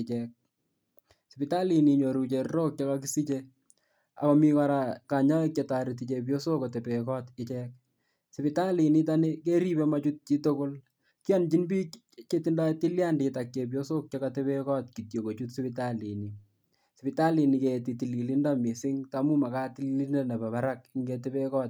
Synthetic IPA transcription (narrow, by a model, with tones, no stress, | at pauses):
ɪ˨t͡ʃɛk̚ | si˨pɪta˦li˨ni˨ɲo˨ɾu˨t͡ʃe˨rɾo˦k̚t͡ʃɔ˦kakisi˦t͡ʃe | a̰˨kɔ˨mikɔ˦ɾaka˨ɲa˦e˦k̚t͡ʃeta˨ɾiti˨t͡ʃe˨p̬jo˦so˦kɔ˨te˨pe˨kɔ˦tɪt͡ʃɛk̚ | sɪ˨pɪ˨ta˦li˨ni˦tane˦ke˦ɾi˦pe˦mat͡ʃu˦t̚t͡ʃi˦to˦ko˦l | ki˦a˦nt͡ʃi˦nbi˦ | t͡ʃe˦tinda˦ti˦lja˦ndɪ˨tak̚t͡ʃe˨p̬jo˦sok̚t͡ʃɔkate˦pe˦kɔ˦t̚ki˨tjo˨ko˨t͡ʃu˦tsɪ˦pɪ˦tali˨ni˨ | sɪ˨pɪta˦li˨ni˨ke˨ti˨ti˨li˨li˦nda˦mi˨sɪ˦ŋtamu˦ma˨ka˦tili˦ne˦na˨pa˨pa˦ɾak̚ɪŋɡetepe˦kɔt̚